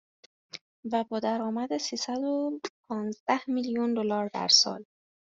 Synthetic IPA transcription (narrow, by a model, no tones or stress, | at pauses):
væbɒːd̪æɾɒːmæd̪esiːsæd̪opʰɒːnzd̪æhmiljund̪olɒːɾd̪æ̰ɾsɒ̰ːl